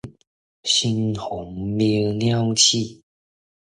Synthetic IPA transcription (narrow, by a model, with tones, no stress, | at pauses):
ɕi˧nxʊ˨˦ŋmi˧˦nja˥˧ʊt͡ɕʰi˥˨